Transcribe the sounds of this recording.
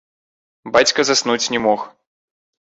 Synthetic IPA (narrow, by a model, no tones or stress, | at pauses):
bat͡sʲkɐzasnut͡sʲnʲɛmɔx